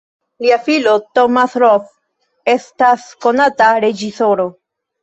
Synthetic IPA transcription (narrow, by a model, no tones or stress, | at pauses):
liafilo̞tomasɾof | e̞stasko̞nataɾe̞d͡ʒiso̞ɾo̞